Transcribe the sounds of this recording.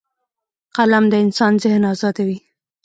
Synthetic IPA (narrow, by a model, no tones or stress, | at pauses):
qalamd̪əɪnsɑnzɪhnɑzɑd̪awi